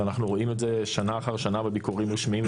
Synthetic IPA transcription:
anaχnuʁoimetzeʃanaːχaʁʃanabebikuʁimʁiʃmiim

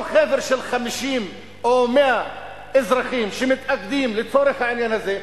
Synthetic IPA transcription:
xaːðɪɾʃɪlxamʃiːm | ʔoːmɪʔa | ʔɪzɾˤɑxiːmʃɪmɪt̪ʔak̚d̪iːmlɪsˤoːɾɪxaʕanjanazeː

